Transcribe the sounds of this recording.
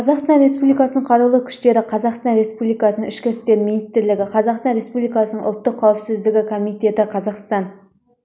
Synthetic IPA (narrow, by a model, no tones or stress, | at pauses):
qʰɑzɑqst̪ɑnɾe̞spublijkɑsənəɴqʰɑɾulˠəkʲʰʏ̥ʃt̪e̞ɾɪqʰɑzɑqst̪ɑnɾe̞spublijkɑsənəŋɪʃkʲɪst̪e̞ɾminijst̪ɪɾlɪɡʲɪqʰɑzɑqst̪ɑnɾe̞spublijkɑsənəɴʔʊ̰lˠt̪ːəqʰːɑwpsɪzd̪ɪɡʲɪkʰo̞mijt̪e̞t̪ɪqʰɑzɑqst̪ɑn